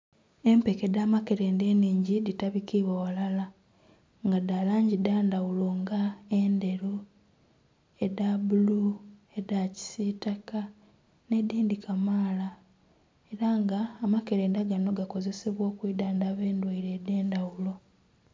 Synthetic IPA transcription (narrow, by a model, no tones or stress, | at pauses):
e̞mpe̞kedaːmake̞ɾeːnde̞ːniːɲɟiditaβikiβwawalala | ŋɡadalaːɲɟidaːndawulo̞ŋɡaende̞ɾu | edabulu | e̞daci̥sitaka | ne̞diːndikʰamaːla | eɾaŋɡaːmake̞ɾe̞ːndaɡano̞ɡako̞ze̞se̞βwo̞ːkwiːdaːndaβe̞ːndwaiɾeːdeːndawulo̞